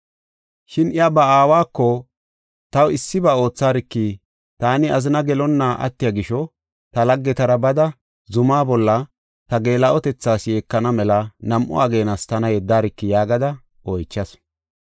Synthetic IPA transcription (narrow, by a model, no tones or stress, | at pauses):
ʃɪnɪabɐaːwaːkːɔ | t̪ɐwɪsːɪbɐo̞ːt͡sːaːɾɪkːi | t̪aːnɪɐzɪnɐɡɛlɔnːaːʔɐ̰t̪ːɪjɐɡɪʃɔ | t̪ɐlɐɡːɛt̪ɐɾɐbɐd̪ɐ | zʊmaːbɔlːɐ | t̪ɐɡe̞ːlɐʔɔt̪ɛt͡sːaːsje̞ːkːɐnɐmɛlɐnɐmʔʊ̰aɡe̞ːnɐst̪ɐnɐjɛd̪ːaːɾɪkːɪjaːɡɐd̪ɐ | ʔɔjt͡ʃːɐs